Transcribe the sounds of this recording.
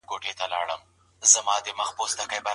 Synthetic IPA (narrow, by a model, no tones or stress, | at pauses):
ɡoʈet̪alɑ̰ɽəm | zəmɑd̪əməxpost̪akəjba